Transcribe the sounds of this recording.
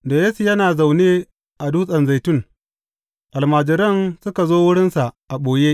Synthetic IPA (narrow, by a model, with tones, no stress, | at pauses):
da˨jeː˦su˨jɐ˦naː˨za˨wneː˦ | ʔa˨duː˦sʼɐ˨nza˨jtʊ˦˨ŋ | ʔa˨lmaː˨d͡ʒɪ˨ɾɐ˦nsʊ˦ka˨zoː˦wʊ˦ɽɪ˦nsa˨ʔʔa˨ɓoː˨jeː˦ʔ